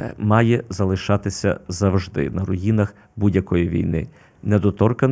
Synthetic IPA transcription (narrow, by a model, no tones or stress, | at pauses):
mɑjɛzɐlˠɪʃɑt̪ɪsʲɐ̰zɐwʒd̪ɪ̰nɐɾɔjinɐx | budʲjɐkɔjiʋʲḭjnɪ̰ | nɛd̪ɔt̪ɔrkɐn